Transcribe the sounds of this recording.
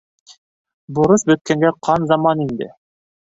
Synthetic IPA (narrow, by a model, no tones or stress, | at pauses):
bŏɾɤʃbɵ̆t̪̚kæŋɡæqʰɑnzɑmɑnind̪ɘ̰